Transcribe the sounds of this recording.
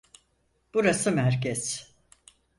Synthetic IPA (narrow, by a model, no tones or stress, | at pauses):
b̥uɾasɯmæɾcɛz̥